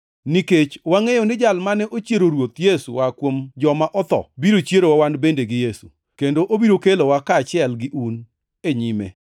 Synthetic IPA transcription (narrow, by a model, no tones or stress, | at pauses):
niket͡ʃwaŋejonɪd͡ʒalmanɛʔot͡ʃjeɾoɾwot̪jesuwakwomd͡ʒɔmaʔɔt̪ɔ̰biɾot͡ʃjeɾowawanbendeɡɪjesṵ | kendoʔobiɾokelowakaːt͡ʃɪɛlɡɪʔun | eɲimḛ